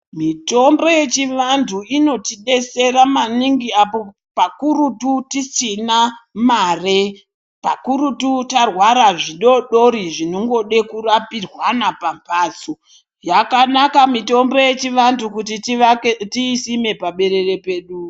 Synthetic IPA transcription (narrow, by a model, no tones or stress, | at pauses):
mito̞mbo̞je̞t͡ʃiʋanduino̞tiɗe̞se̞ɾamaniŋɡiapo̞ | pakuɾututisinamare | pakuɾututarwaɾaʐiɗo̞ɗo̞ɾiʐinoŋɡo̞ɗe̞kurapirwanapampaːt͡so | jakanakamito̞mbo̞je̞t͡ʃiʋandukutittiːsime̞paɓe̞ɾe̞re̞pe̞ːɗu